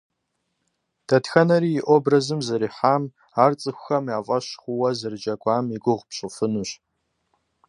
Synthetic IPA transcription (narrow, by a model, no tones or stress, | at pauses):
d̥ɐtxɐnɐɾiːjːʔobrɐzɨmzɨɾiːħaːm | aːrt͡sʼɨxʷʊxɐmaːvʼɐɕχʷʊwɐzɨrd͡ʒɐkʷʼaːmiɡʷʊʁʷpɕʼɨfɨnuɕ